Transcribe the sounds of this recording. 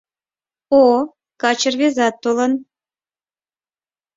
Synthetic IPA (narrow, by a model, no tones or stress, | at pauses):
o | kɑt͡ɕərβezɑt̪ːolən